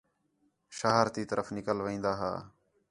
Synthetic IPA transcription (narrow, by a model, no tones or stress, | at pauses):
ʃaːɦɾt̪iːt̪əɾəfnɪkəlʋĩːnd̪aːɦa̰ː